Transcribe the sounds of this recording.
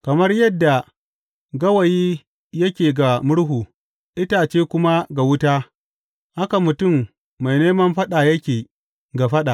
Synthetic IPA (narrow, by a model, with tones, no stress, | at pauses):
kɐ˨mɐ˦rjɐ˦dːa˨ | ɡɐ˦wɐ˨jiː˦ | jɐ˦kʲeː˨ɡa˨mʊ˦ɽɦuː˨ | ʔɪ˦taː˨t͡ʃeː˦kʷʊ˦ma˦ɡa˨wʊ˦taː˦ | ha˦ka˨mʊ˨tʊ˦˨mː | a˨jneː˦mɐ˦mɸɐ˦ɗa˨jɐ˦kʲeː˨ | ɡa˨ɸɐ˦ɗa˨ʔ